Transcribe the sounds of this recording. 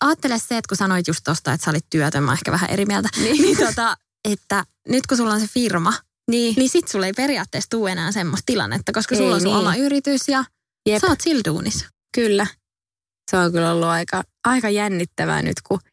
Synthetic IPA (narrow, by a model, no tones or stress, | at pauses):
ɑːt̪ːelesseet̪kusɑnoit̪just̪t̪ost̪ɑḛt̪sɑolit̪t̪yæt̪ømɑ̰ːehkæ̰ʋæhæ̰ʔḛɾimiælt̪ænininot̪ɑ | et̪ːæ | nyt̪kusulːonsefirmɑ | niːnisit̪sulːeiperiɑːt̪ːeːst̪uːenæːsemːost̪ilɑ̰nːḛt̪ːɑkoskɑsulːõnsuomːɑyɾit̪ysjɑ | jesɑːt̪sildṵːnis | kylːæ | seoŋkylolːuɑikɑ | ɑikɑjænːit̪ːæʋæ̰ːny̰t̪ku